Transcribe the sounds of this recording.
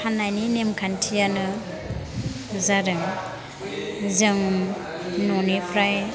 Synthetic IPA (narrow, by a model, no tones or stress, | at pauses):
hanajninemkʰantʰijanɯ | zaɾɯŋ | zɯŋ | nɔnipʰɾaj